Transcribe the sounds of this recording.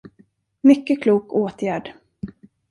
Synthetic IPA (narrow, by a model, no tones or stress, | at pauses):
mʏkːəkʰluːkoːt̪ʰjæːɖ